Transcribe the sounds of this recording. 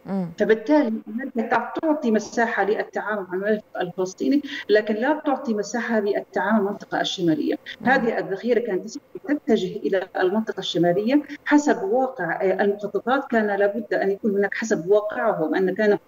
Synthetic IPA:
fabɪt̪ːaːliʔmakat̪at̪ʊʕt̪ˤimasaːħalɪʔat̪ːaʕaːmʊlmaʕlmalɪfɪqalfɨlɑsˤt̪ˤiːnilaːkɪnlat̪ʊʕt̪ˤimasaːħaliʔat̪ːaʕaːmʊlmɑnt̪ˤɨ̥qɑʔaʃːamaːlɪ̰jːa̰haːðɪhʔaðːaxiːɾakaːnt̪ʔɪst̪ɪt̪ːad͡ʒɪɦʔɪlaʔlmɑnt̪ˤɨqɑʃːamaːlɪjːaħasabwɑːqɪʕʔalmʊxɑt̪ˤːɑt̪ˤɑːt̪kaːnalaːbʊd̪ːʔanjakuːnhʊnaːkħasabwɑːqɪʕɦʊmʔanːakaːna

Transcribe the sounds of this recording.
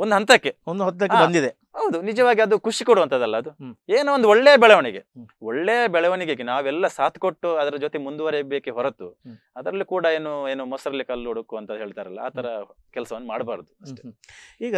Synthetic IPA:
ond̪uɦɐnt̪ɐkːeond̪uɦɔt̪ːɐkːeaːɐnd̪id̪e | ɦɐwud̪unid͡ʒɐʋaːɡiɐd̪ukuʂikoɽuʋɐnt̪ɐd̪ɐlːɐːd̪ueːnuond̪uɔɭːejɐbɛɭɐʋɐniɡe̞oɭːejɐbɛɭɐʋɐniɡeɡenaːʋɛlːɐsaːt̪ʰkoʈːuɐd̪ɐɾɐd͡ʒoːt̪emund̪uʋɐɾebeːkeɦɔɾɐt̪ːu | ɐd̪ɐɾɐlːikuːɽɐe̞ːnueːnumɔsɐɾɐlːikɐlːoɽukuɐnt̪ɐd̪ɦe̞ːɭit̪aːɾɐ̰lːɐa̰ːt̪ʰɐɾɐ | kɛlɐsɐʋɐnːumaːɽɐbaːɾɐd̪uɐʂʈeiːɡɐ

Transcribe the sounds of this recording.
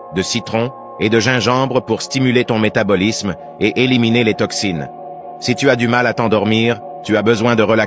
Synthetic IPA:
d̪əsit̪χɔ̃ | ed̪əʒɛ̃ʒɑ̃bʁəpuʁst̪imylet̪ɔ̃met̪abɔlism | eʔeliminelet̪ɔksin | sit̪yad̪ymalat̪ɑ̃d̪ɔʁmiːʁ | t̪yabəzwɛ̃d̪əʁəla

